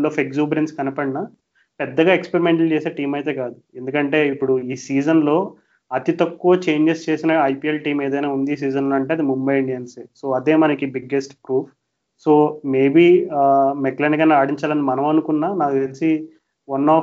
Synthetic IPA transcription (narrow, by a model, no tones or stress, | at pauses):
lɔːfekzuːbɐɾenskɐnipɐɽinɐ | pɛd̪ːɐɡaːekspeɾimeɳʈɐlt͡ʃe̞ːse̞ːʈiːmɐjt̪e̞ːkaːd̪ue̞nd̪ukɐɳʈe̞ːipːuɽuiːsiːd͡ʒɐnlo̞ː | ɐt̪it̪ɐkːuʋɐt͡ʃe̞ːɲd͡ʒest͡ʃe̞ːsinɐɐjpielʈiːme̞ːd̪ɐjnaːund̪is̬iːd͡ʒɐnlo̞ːɐɳʈeːɐd̪imumbɐjɐɳɖiɐnseːso̞ːɐd̪e̞ːmɐnɐkibiɡesʈpɾuːpʰ | so̞ːme̞ːbiːmekleːnikɐnaːɽiɲt͡ʃaːlɐnimɐnɐmɐnukunːaːnaːk̪elsi | ʋɐnːɔː